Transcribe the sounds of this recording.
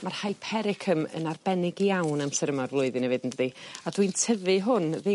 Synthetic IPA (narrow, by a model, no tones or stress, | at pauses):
marhajpʰɛɾɪkʰəmə̰narbɛnɪɡiawnamsɛɾəmarvlˠʊɨðɨnɛvɨdəndəðiadwintʰəvɨɦʊnðe